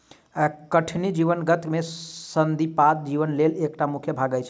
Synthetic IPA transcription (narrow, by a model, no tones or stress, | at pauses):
kəʈʰnid͡ʒiʋənɡət̪mesənd̪ʱipat̪̚d͡ʒiʋənlelekʈamukʰjəbʱaɡəjt͡ʃʰ